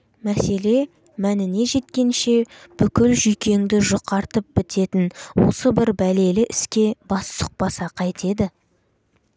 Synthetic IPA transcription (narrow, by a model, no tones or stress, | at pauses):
mæse̞le̞ | mænɪne̞ʒe̞t̪kʲe̞nʃe̞b̥ʏkʲɪlʒʏjkʲe̞ŋd̪ɪʒoqɑɾt̪əp̚b̥ɪt̪ʰe̞t̪ɪnwo̞̰səbɪɾbæle̞lɪʔɪskʲe̞bɑssʊ̥q̚pɑsɑqʰɑjt̪e̞d̪ɪ